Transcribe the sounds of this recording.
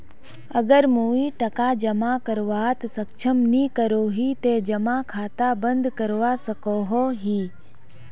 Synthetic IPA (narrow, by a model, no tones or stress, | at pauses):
ɐɡəɾmuːiʈɐkad͡ʒɐmakəɾʋaːt̪sɐkʃʰəmnikəɾoːɦit̪ed͡ʒɐmakʰaːt̪abə̃nd̪kəɾʋasɐkoːɦoɦiː